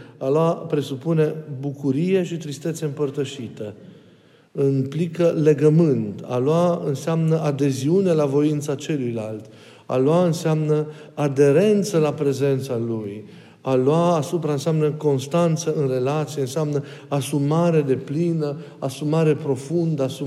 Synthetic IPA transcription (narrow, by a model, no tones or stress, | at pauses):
aloapɾe̞supune̞bukuɾije̞ʃit̪ɾist̪e̞t̪seɨmpərt̪əʃit̪ə | implikəle̞ɡəmɨnt̪a̰loaɨnseamnəʔad̪e̞ziune̞lavo̞int̪sat͡ʃe̞lujlalt̪ | a̰loaɨnseamnə | ad̪e̞ɾe̞nt̪səlapɾe̞ze̞nt̪saluj | aluaːsupɾaɨnseamnəko̞nst̪ant̪səɨnre̞lat̪sieɨnseamnəasumaɾe̞d̪e̞plinə | asumaɾe̞pɾo̞fund̪əasu